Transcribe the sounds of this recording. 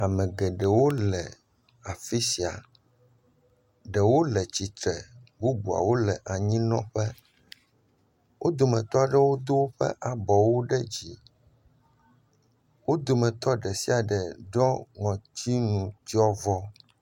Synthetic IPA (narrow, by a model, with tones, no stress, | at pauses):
a˨mɛ̃˨ɡɛ˨ɖɛ˨wo˦lɛ˨ | a˨fi˦si˨a̰˨ | ɖɛ˨wo˦lɛ˨t͡ɕi˨t̪ɾɛ̰˨bu˦bu˨a̰˨wo˦lɛ˨ʔa˨ɲĩ˦nɔ̰̃˦ɸɛ˦ | wʔo˦d̪o˨mɛ̃˨t̪ɔ˦a˨ɖɛ˦wo˦d̪o˦wo˦ɸɛ̰˦ʔa˨bɔ˨wo˦ɖɛ˦d͡ʑi˨ | wo˦d̪o˨mɛ̃˨t̪ɔ˦ɖɛ˨si˦a˨ɖɛ˨ɖɔ˦ŋɔ̃˨t͡ɕi˦nũ˨t͡ɕi˦ɔ˦vɔ˦